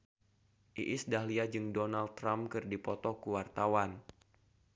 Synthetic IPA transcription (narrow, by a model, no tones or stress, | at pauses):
ʔḭʔisdahliad͡ʒɨŋdɔnald̪̚ɾamkɨrdipɔt̪ɔkuwart̪awan